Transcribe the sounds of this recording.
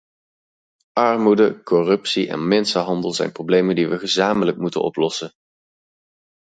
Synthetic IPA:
ʔɑrmudəkɔrɵpsiʔɛ̰nmɛnsənɦɑndəlˠzɛ̰jnprowblejməndiʋəχəzaːmələk̚mutə̰nɔ̰plɔsən

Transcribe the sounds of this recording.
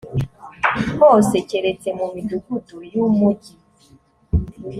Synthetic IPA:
ɔset͡ʃeɾetemomidukutujumod͡ʒi

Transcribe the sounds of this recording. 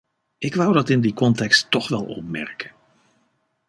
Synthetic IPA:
ɪkʋawdɑtɪndikɔntɛkstːɔχʋɛlˠɔ̰p̚mɛ̰ɹkə̥n

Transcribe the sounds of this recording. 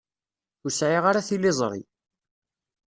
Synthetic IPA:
ʊɾsʕiʁaɾaθilːɪzˤɾˤḭ

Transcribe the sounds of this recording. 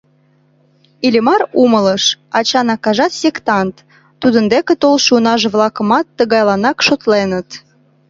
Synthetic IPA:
ilʲimɑrumələʃɑt͡ɕɑnɑkɑʒɑt̪sʲekt̪ɑnt̪ː | ud̪ə̆nd̪ekĕt̪olʃunɑʒĕβlˠɑkə̆mɑt̪ːəɣɑjlɑnɑkʃot̪lenə̆t̪

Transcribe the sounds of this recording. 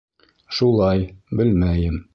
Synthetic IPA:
ʃulˠɑjbɘlmæjɘm

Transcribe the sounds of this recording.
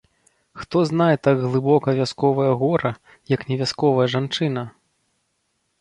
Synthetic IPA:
xt̪ɔznajɛt̪aɡɣlˠɨbɔkɐvʲaskɔvɐjɐɣɔɾɐ | jɐknʲɛvʲaskɔvɐjɐʐant͡ʂɨnɐ

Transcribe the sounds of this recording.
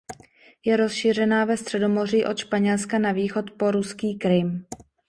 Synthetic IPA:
jɛɾo̞sʃiːr̝ɛnaːvɛst̪r̥ɛdo̞mo̞riːʔo̞t̪ʃpaɲɛlskanaviːxo̞t̪poɾuskiːkɾɪm

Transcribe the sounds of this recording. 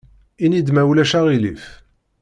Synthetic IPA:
inid̪mæwlæʃæʁilif

